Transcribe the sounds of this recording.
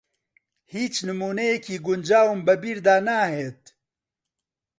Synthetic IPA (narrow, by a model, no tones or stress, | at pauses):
hiːt͡ʃnɨmuːnejekʰiːɡʊnd͡ʒaːwmbɐbiːɾd̪aːnaːheːt̪̚